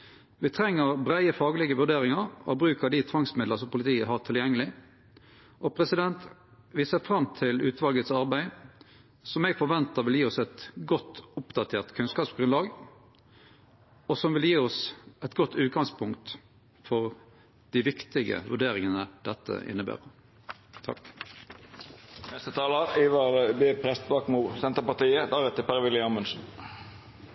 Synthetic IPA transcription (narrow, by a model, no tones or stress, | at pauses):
ʋɪt̪ʰɾɛŋːəʁbʁæɪəfɑːɡlɪɡəʋʉʁɖ̪eːɾɪŋɑʁɔ̰bɾʉːkəd̪ɪt̪ʰʋɑŋsmɪd̪ləsɔmpʊlɪt̪ʰiːəɦɑt̪ʰɪljɛŋːəlɪ | ʔɔpʰɾɛsɪd̪ɛnt̪ | ʋɪsəfɾɑmt̪ʰɪlʉːt̪ʋɑlɡət̪sɑɾbæɪ | sɔmɛɡfɔɾʋɛnt̪əɾʋɪljiːɔsɛt̪ɡɔt̪ːʊpd̪ɑt̪ʰeːʁt̪kʰʉnskɑːpsɡɾʉnlɑːɡ | ɔsɔmʋɪljiːɔsɛt̪ɡɔt̪ʰːʉːt̪̚ɡɑŋspʰʊŋkt̪ | fɔʁ | d̪̥iʋɪkt̪ɪɡə̰ʋʉɖeːʁɪŋənəd̪̥ɛt̪ʰːə̰ʔɪ̰nːəbæ̰ːʁə | t̪ʰɑ̰k | nɛst̪ət̪ʰɑːləɾiːʋɑɾbeːpʰɾɛst̪bɑːkmuːsɛnt̪əpɑt̪iːəd̪ɑːʁɛt̪ːəpʰæʁʋɪlɪɑmənsn̩